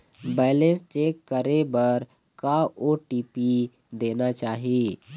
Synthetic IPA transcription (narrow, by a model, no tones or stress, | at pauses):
bɛːlest͡ʃeːkːəɾebɐɾ | kaoʈiːpi | d̪eːnat͡ʃaːɦieː